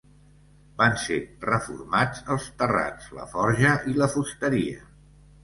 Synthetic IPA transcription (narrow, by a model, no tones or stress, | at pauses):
banserəfṵrmad͡zəlˠst̪əra̰t͡slə̰fɔɾʒəʔiləfust̪əɾiə̰